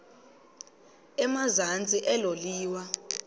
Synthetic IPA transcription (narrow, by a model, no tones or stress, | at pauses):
ɛmazant͡sʼiʔɛloliːwa